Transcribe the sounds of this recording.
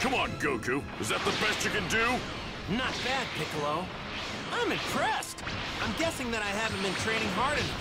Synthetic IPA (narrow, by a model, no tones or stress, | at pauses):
kʰʌ̃mə̃nɡoʊkʰʉ | ɨzðɨt̪̚ðəbɛst͡ʃɨkɨ̃ndʉ | nət̚b̥æd̚pʰɪkloʊ | ãɪ̃mɨ̃mpʰɹ̥ɛst | ãɪ̃mɡɛsɪ̃ŋðɨɾaɪɨvɨ̃m̩ɨ̃ntʰɹ̥ẽɪ̃nɪ̃ŋɦɑɹɾ̃n̩